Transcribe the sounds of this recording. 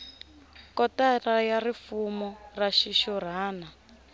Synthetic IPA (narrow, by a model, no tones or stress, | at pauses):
kɔtarajarifumɔraʃiʃɔɾ̤aːna